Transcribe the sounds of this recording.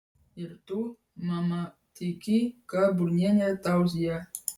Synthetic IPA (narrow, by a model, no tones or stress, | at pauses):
irt̪u | mama | t̪ikikaburɲaɲat̪ausia